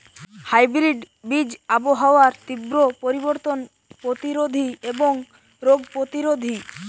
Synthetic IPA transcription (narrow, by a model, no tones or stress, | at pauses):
hajbɾiɖ | bid͡ʑaboɦaoaɾt̪ibɾopoɾiboɾt̪on | pɾot̪iɾod̪ʱieboŋ | ɾoɡpɾot̪iɾod̪ʱi